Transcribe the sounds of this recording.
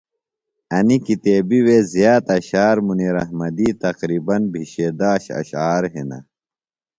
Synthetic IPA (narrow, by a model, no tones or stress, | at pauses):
ɐnikit̪eːbiwezijaːt̪ɐɕaːɾmuniːɾɐhmɐd̪iːt̪ɐqɾiːbɐnbʱiɕeːd̪aːɕɐ̰ɕaːɾɦenɐ̰